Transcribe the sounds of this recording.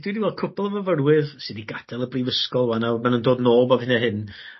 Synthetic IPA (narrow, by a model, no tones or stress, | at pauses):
dwidiwɛl̚ˠkʰʊpʰɔlˠəvəvərwɪðsɨdiɡad̥ɛlˠəbriːvəskɔlˠwanamanundoːdnoːlˠbaðhɪnɛɦɪn